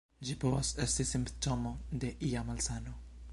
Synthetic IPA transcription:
d͡ʒipovasest̪isimpt̪omod̪eʔiamalsano

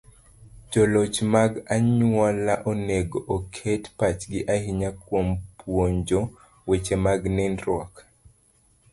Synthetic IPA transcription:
d͡ʒɔlot͡ʃmaɡaɲwɔlaʔɔneɡɔʔːkʰetpat͡ʃɡɪʔaɦiɲakwompwoɲd͡ʒɔ | wet͡ʃemaɡnɛnɾɔk

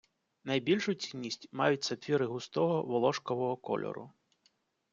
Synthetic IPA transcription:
nɐjbʲilʲʃʊt͡sʲinʲːisʲtʲmɑjʊt̚ʲsɐt̪ʲʋʲiɾɪɦʊst̪ɔɦɔʋɔlˠɔʃkɔʋɔɦɔkɔ̰lʲʔɔ̰ɾʊ̰

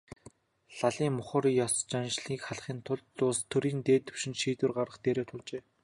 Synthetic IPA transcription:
ɬaɮiːŋmʊχə̆rjɔst͡ɕanʃɮiːkχaɮχiːnt̪ʰʊɮːʊːst̪ʰːɵɾiːnt̪eːt̪ɵ̥̆wʃɪ̆nʃiːt̪wɘ̆rɢaɾə̆χt̪eːɾoːt̪ʰʊɮt͡ɕeː

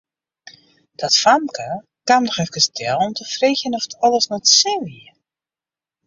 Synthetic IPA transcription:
d̥ɔtfamkʰə | kamdɔxɛfkəstʰɛlˠɔmtʰəfreːxjənɔfə̥tʰɔlˠəsnɔtsɪliə

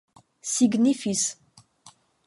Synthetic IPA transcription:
siɡnifis

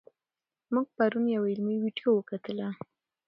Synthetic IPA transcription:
muɡ̚paɾunjawaɪlmiwiɖijowəkat̪əla

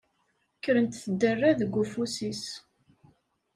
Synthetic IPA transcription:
kːəɾənt̪θəd̪ːərːaðəɡʷːufusis

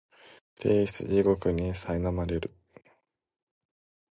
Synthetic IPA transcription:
t̪ʰeːɕi̥t͡sɨ̰ʑiɡo̞kɯ̟ɲ̟isainamaɾe̞ɾɯ̟

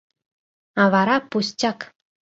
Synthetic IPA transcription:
ɑvɑɾɑpusʲt͡ɕʲɑk

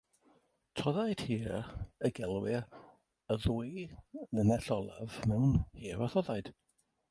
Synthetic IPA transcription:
tʰɔðajd̥hiːəɡɛlˠwɪ | əðuːjðənɛɬɔlˠa̰vmɛwnhiːvɔθɔðajd̥

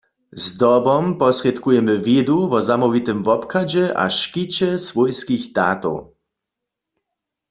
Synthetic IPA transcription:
zd̪ɔbɔmpɔsrɛt̪kujɛmɨved̪uvɔzamɔvit̪ɨmvɔpkad͡ʑɛʔa̰ʃkit͡ɕɛsvɔjskiɣd̪̥a̰ːt̪ɔ̰w

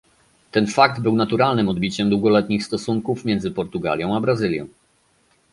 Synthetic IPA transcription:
t̪ɛnfak̚d̪bɘwnat̪uɾalnɘmɔd̪bʲit͡ɕɛmd̪wuɡɔlɛt̪ɲixst̪ɔsuŋkufmʲjɛnd̪zɘpɔɾt̪uɡa̰lʲjɔ̃w̃abɾazɘlʲjɔ̰̃w̃

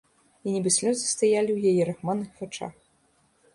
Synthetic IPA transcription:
inʲɛbɨsʲlʲɔzɨst̪ajalʲiwjajɛɾaxmanɨxvat͡ʂa̰x

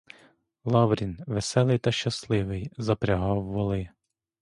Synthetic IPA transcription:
lˠɑʋɾʲinʋesɛlˠɪjt̪ɐʃt͡ʃɐslˠɪʋɪjzɐpɾʲɐɦɑwːɔlˠɪ

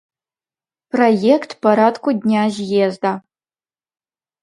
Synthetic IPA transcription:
pʰrojekʰtʰpʰaɾadkʷʰʼʊdʲnʲaːʒjezda

